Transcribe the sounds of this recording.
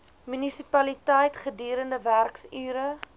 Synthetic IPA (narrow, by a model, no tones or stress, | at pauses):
mynisipɐlitəjtχədiːɾəndəværksyːɾə